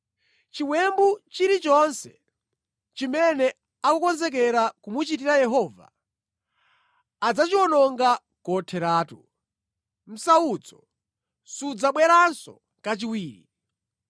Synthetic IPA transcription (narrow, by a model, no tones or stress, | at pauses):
t͡ʃiwwɛmbut͡ʃiɾit͡ʃɔnsɛ̥ | t͡ʃimɛnɛ | akukɔnzɛk̬ɛɾakumut͡ʃitiɾajɛɦɔːva̰ | ad͡zat͡ʃiwɔnɔŋɡa | kɔtʰɛɾaːtu | m̩saut͡sɔ̰ | sud͡zaɓwɛɾansɔ̰ | ŋkat͡ʃiwiːɾḭ